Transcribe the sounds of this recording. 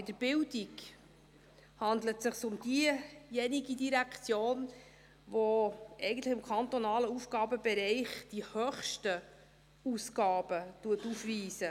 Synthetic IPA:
ɪdəɾb̥ɪldik | hɑnd̪lətsɪχsʊmd̥̪iəjɛniɡidiɾækʰt͡sjoːn | voʔɛɪɡən̩tləχɪmkʰɑnt̪ɔnɑːləufɡ̥ɑːbəbɛɾɛɪχd̥ihœχʃtə | usɡɑːbətuətufviːsə

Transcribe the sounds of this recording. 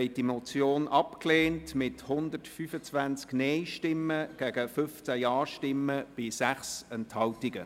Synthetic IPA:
ɛɪt̚dimɔt͡sjoːnʔɑpkleːntmɪthʊnd̪ətfyfət͡sʋænt͡sknɛjʃtɪmːəɡ̥æɡ̥əfʏft͡sæjɑːʃtɪmːəb̥ɪsæχsɛnthɑwtɪɡə

